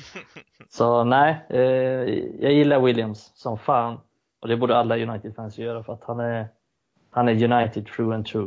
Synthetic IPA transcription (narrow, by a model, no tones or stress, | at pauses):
sɔnæɪ | jʔɑ̰ːjɪlːaɾwɪljamsːɔmfɑːn | ʔɔd̪ɛbuːɖəalːajɵnajt̪ɪd̪fɛnsjœːɾafœɾat̪hanæɾ | hanæɾjɵnajt̪ɪd̪̚t̪ʰɾuːɛnt̪ʰɾuː